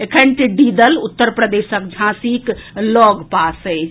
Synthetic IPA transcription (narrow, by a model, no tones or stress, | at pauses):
ekʰənʈɖid̪əlut̪ːəɾpɾəd̪esək̚d͡ʒʱãsiklɔɡpasəj